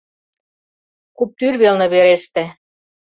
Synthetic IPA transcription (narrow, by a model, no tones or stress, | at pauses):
kup̚t̪yrβelnɤ̆βeɾeʃt̪æ̆